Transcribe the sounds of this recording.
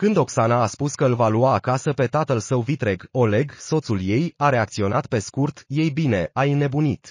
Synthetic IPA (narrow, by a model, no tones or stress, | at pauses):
kɨnd̪o̞ksanaːspuskəɨlvaluaːkasəpe̞t̪at̪əlsəwvit̪ɾe̞ɡo̞le̞ɡso̞t̪sulje̞jaɾe̞ak̚t̪sio̞nat̪pe̞skurt̪je̞jbine̞ajne̞bunit̪